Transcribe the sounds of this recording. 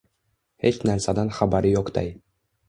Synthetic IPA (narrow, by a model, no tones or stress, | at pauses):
het͡ʃnæɾsæd̪ɑnχabæɾɘjoqt̪ɑ̰j